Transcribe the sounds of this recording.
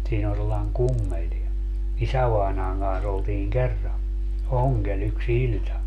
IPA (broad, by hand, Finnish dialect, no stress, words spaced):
siːn on selːɑi̯ŋ kumːel ni isæʋɑinɑːŋ kɑns oltiːŋ kerːɑ oŋɡ̊el yks ilʲtɑ